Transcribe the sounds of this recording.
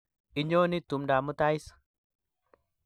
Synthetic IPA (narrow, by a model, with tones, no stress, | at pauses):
i˨ɲo˦ni˦tu˨mda˨mu˦ta˦i˦s